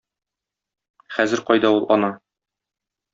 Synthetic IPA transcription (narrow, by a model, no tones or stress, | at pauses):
χæzɘ̆ɾqɒjd̪ɑulˠʔɒnɑ